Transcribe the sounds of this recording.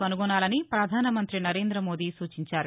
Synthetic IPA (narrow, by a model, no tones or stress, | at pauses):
ɐnuɡonaːlɐnipɾɐd̪ʱaːnɐmɐnt̪ɾinɐɾe̞ːnd̪ɾɐmo̞ːd̪iːsuːt͡ʃiɲt͡ʃaːɾu